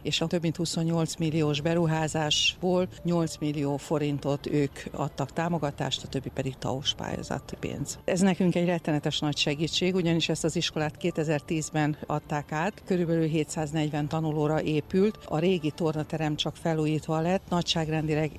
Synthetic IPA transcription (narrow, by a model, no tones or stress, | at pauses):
eːʃɒt̪øbmint̪huso̞ɲːo̞lt̪smilːioːʒbɛɾuɦaːzaːʃboːlɲo̞lt̪smilːioːfo̞ɾint̪o̞t̪øːkɒ̰t̪ːɒkt̪aːmo̞ɡɒt̪a̰ːʃt̪ɒt̪ø̞bːipɛd̪iɡ̚t̪ɒ̰oʃpa̰ːjo̰zɒ̰t̪ːpḛːnz̥ʔɛznɛkyŋkɛɟrɛt̪ːɛnɛt̪ɛʃnɒcʃɛɡiːt͡ʃːeːɡuɟɒniʃɛst̪ɒziʃko̞laːt̪keːt̪ɛzɛrt̪iːzbɛnʔɒt̪ːaːkaːt̪kø̞ɾybɛlylɦeːt̪saːznɛɟvɛnt̪ɒnuloːɾɒʔeːpylt̪ɒ̰ɾeːɡit̪o̞rnɒt̪ɛɾɛmt͡ʃɒkfɛlːuːjiːt̪ʋɒlɛt̪ːnɒcʃaːɡrɛnd̪ilɛɡ